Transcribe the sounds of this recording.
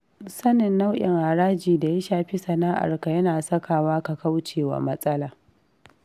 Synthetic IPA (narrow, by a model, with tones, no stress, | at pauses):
sɐ˦nɪ˨nːa˦wʔɪ̰˨ŋha˨ɽaː˦d͡ʒiː˨da˨ja˦ʃaː˨ɸi˦sɐ˨naː˦ʔa̰˨rka˨jɐ˦naː˨sɐ˦kaː˨waː˦ka˨ka˦wt͡ʃeː˨wa̰˨mɐ˦sʼɐ˦laː˨